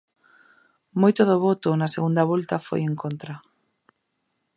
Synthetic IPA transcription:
mojt̪ʊðoβɔt̪ʊnaseɣund̪ɐβɔlt̪ɐfo̰jeŋkont̪ɾa

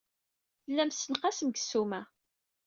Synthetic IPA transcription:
θəlːæmsənqæsəmɡəsːumæ

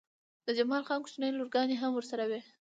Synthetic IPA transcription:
d̪̥əd͡ʒamɑlxɑnkʊ̥ʃnəjloɾɡɑneɦamwəɾsaɾawe

